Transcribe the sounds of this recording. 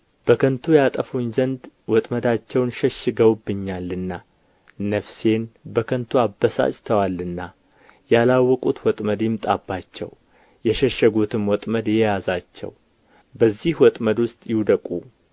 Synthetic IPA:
b̥əkʰənt̪ʰujat̪ʼəfuɲzənd̪wɔt̪ʼməd̪at͡ʃːɛwnʃɛʃːɨɡəwbːɨɲːalːɨnːa | nəfse̞nbəkʰənt̪ʰuabːəsa̰t͡ʃʼt̪ʰəwalːɨnːa | jalawːɔkʼut̪wɔt̪ʼməd̪jɪmt̪ʼa̰bːat͡ʃːɛ̰w | jɛʃɛʃːəɡut̪ʰɨmwɔt̪ʼməd̪jɛjazat͡ʃːɛ̰w | bəzːihwɔt̪ʼməd̪wʊst̪ʼjɪwd̪əkʼṵ

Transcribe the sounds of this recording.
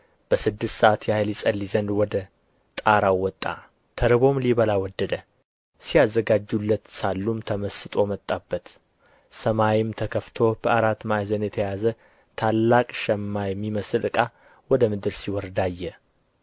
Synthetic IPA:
b̥əsɨd̪ːɨst̪səʔat̪jahɨlisʼəlːizənd̪wɔd̪ə | t̪ʼaɾawɔt̪ʼːa̰ | t̪ʰəɾɨβo̞mliβəlawɔd̪ːəd̪ə | sijazːəɡad͡ʒːulːət̪salːumt̪ʰəməsɨt̪ʼo̞mət̪ʼːabːət̪ | səmajimt̪ʰəkʰəft̪ʰo̞b̥əaɾat̪ːmajzənjɛt̪ʰəjazə | t̪ʰalːakʼʃɛmːajɛmːiməsɨlʔɨkʼa | wɔd̪əmɨd̪ɨɾsiwɔɾd̪ajːɛ

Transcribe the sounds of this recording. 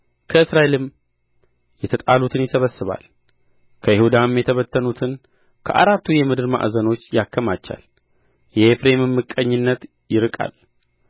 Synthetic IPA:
kʰəɨsɾae̞lɨm | jɛt̪ʰət̪ʼalut̪ʰɨnjɪsəβəsːɨβa̰l | kʰəjɪhud̪amjɛt̪ʰəβət̪ʰːənut̪ʰɨn | kʰə̰ʔa̰ɾat̪ːujɛmɨd̪ɨɾma̰ʔzəno̞t͡ʃːjakʰːəmat͡ʃːa̰l | jɛefɾe̞mɨmːɨkʼːəɲːɪnːət̪ | jɪɾɨkʼa̰l

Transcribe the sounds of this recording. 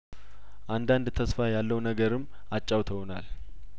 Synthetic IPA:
ʔand̪and̪t̪ʰəsfajalːəwnəɡəɾɨmː | at͡ʃʼːawt̪ʰəwnal

